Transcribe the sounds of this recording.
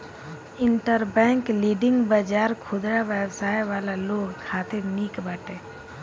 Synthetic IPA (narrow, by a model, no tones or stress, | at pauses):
ɪɳʈəɾbɛ̃ːŋkliːɖɪ̃ŋɡbəd͡ʒaːɾkʰʊd̪ɾaʋəbsaːjʋaːlaloːɡkʰaːt̪eniːkbəʈeː